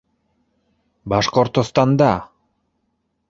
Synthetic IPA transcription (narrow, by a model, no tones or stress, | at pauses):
bɑʃqoɾt̪ost̪ɑnd̪ɑ